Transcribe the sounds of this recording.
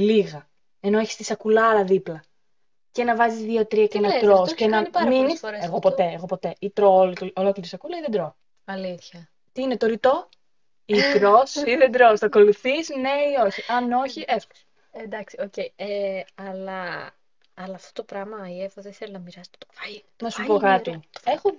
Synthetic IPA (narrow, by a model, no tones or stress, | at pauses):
liɣɐ | e̞no̞eçi̥st̪isɐkulɐlɐðiplɐ | ce̞nɐvɐzizðiɐt̪ɾiɐcenɐk̪ɾosscenɐɐminiɾeɣopo̞t̪eːɣo̞po̞t̪e̞ʔit̪ɾololokliɾisɐkulɐiðed̪ɾo | ɐliθçɐ | t̪iine̞t̪oɾit̪o̞ | ik̪ɾosiðed̪ɾosθɐko̞luθisne̞io̞çiʔɐno̞çiʔesku̥ | end̪ɐksiocejeɐlɐː | lɐːft̪ot̪opɾɐmɐiefoðeθelonɐmiɾɐsɐ̥po̥t̪ovɐnɐsuppokɐt̪o̥exo